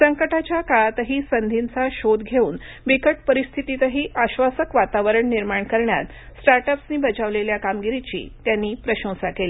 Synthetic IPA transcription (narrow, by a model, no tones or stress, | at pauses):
səŋkəʈat͡ɕjakaɭat̪əɦiːsənd̪ʱint͡saɕod̪ɡʱeuːn | ʋikəʈpəɾist̪ʰit̪it̪əɦiːʔaɕʋasəkʋat̪aʋəɾəɳːiɾmaɳkəɾɳja̰t̪ | sʈaɾʈəpsniːbəd͡ʑaʋleljakamɡiɾit͡ɕḭːt̪janːiːpɾəɕə̃w̃sakeli